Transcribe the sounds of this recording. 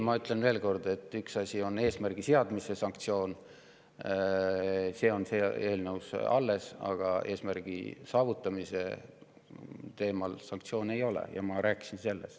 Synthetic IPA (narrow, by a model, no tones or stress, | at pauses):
mɑyt̪le̞nve̞ːlko̞rd̪e̞t̪ːˑyksɑsʲio̞ne̞ːsmærɡ̥iseɑd̪̥mise̞sɑŋkt̪sio̞ːn | se̞ːo̞nse̞e̞ːlnəusɑ̰lːe̞sɑ̰ɡ̥ɑe̞ːsmærɡ̥ḭsɑːvut̪ˑːɑmise̞ | t̪e̞ːmɑlsɑŋk̚t̪sio̞ːne̞jo̞lḛjɑ̰mɑɾæːkːˑi̥sinse̞lːḛst̪